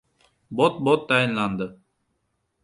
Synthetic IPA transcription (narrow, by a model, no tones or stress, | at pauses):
bot̪̚bot̪ʰːajinlˠɑnd̪ə